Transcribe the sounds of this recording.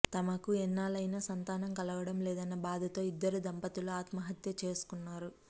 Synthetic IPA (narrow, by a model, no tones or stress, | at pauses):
t̪ɐmɐkuɛnːaːlɐjnɐsɐnt̪aːnɐmkɐlɐʋɐɽɐmlɛːd̪ɐnːɐbaːd̪ʱɐt̪o̞ːid̪ːɐɾud̪ɐmpɐt̪uluaːt̪mɐɦɐt̪jɐt͡ʃe̞ːsu̥kunːaːɾu